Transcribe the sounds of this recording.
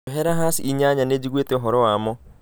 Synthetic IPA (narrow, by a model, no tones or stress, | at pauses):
ɦɛɾaɦasiɲaɲaned͡ʒiɡweteɔɦɔɾɔwamɔ